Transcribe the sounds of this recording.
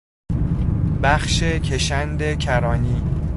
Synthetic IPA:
bæxʃecʰeʃænd̪e̞cʰæɾɒːniː

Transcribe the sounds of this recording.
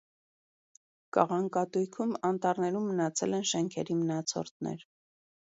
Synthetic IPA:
kɑ̰ʁɑŋkɑt̪ujkʰumɑnt̪ɑɾnɛɾumːənɑt͡sʰɛlɛnʃɛŋkʰɛɾimənɑt͡sʰɔ̰rt̪nɛ̰ɾ

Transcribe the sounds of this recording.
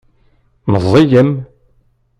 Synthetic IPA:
məzˤːijəm

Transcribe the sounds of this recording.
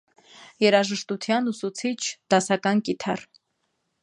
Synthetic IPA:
jɛɾɑʒəʃt̪ut̪ʰjɑnusut͡sʰit͡ʃʰd̪̥ɑsɑkɑnkit̪ʰɑr

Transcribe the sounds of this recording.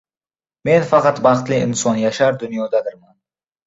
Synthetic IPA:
me̞nfɑqɑt̪bɑχt̪lɪɪnsɒnjaʃaɾd̪ʊnjɒd̪ad̪ɪɾman

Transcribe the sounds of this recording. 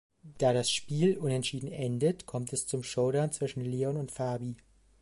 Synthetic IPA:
d̥aːɾasʃpiːlʔʊnɛntʃiːdn̩ʔɛndətkʰɔmtɛst͡sʊmʃoʊdaʊnt͡sv̥ɪʃn̩leːɔnʊntfaɐbi

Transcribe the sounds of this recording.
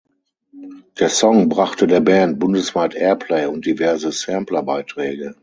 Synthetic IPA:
d̥eːɐsɔŋbʁaχtədeːɐbɛːnt̚b̥ʊndəsv̥aːtʔɛːɐpʰleɪʊnt̚d̥ivɛɐzəsɛmplɐbaɪtʁ̥ɛːɡə

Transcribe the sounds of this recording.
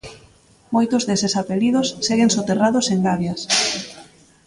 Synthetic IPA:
mojt̪ʊzðesɪsapelið̞ʊsːeɣeŋsot̪eraðʊseŋɡaβjas

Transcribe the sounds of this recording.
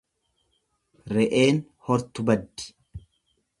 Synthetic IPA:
ɾɛʔe̞ːn | hɔɾt̪ʊbɐd̪ːɪ̥

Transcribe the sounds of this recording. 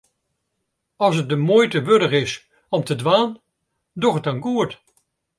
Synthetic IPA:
ɑlˠsət̚dəmoːjtəʋødəχɪs | ɔmtədʋaːn | dɔχət̚ɑnɡuət

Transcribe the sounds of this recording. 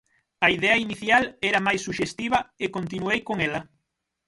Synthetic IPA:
ɐiðɛɐiniθjalɛɾɐmajsːuʃest̪iβɐekont̪inuejkoŋɛlɐ

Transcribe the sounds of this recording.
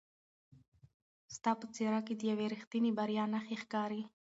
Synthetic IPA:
st̪ɑpət͡seɾɑked̪əjaweɾixt̪inebaɾijɑnaxexkɑɾi

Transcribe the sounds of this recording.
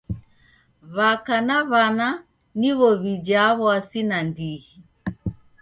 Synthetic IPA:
βakanaβana | niβɔβid͡ʒaβwasinandihi

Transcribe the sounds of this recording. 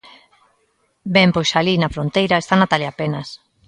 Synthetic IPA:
bɛmpojsalinɐfɾont̪ejɾaest̪anat̪aljapenas

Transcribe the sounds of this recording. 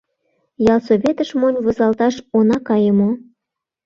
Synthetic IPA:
jɑlsoβʲet̪əʃmonʲβozɑlt̪ɑʃonɑkɑjə̆mo

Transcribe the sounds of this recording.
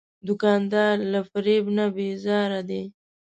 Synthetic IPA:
d̪ʊkɑnd̪ɑɾlafɾebnabezɑɾad̪e

